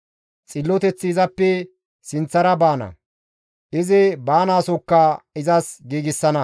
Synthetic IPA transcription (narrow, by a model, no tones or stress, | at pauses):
t͡sʼɪlːɔt̪ɛt͡sːɪːzɐpːɛ | sɪnt͡sːɐɾɐbaːnɐ̰ | ʔɪzɪbaːnaːsɔkːɐɪzɐsɡiːɡɪsːɐnɐ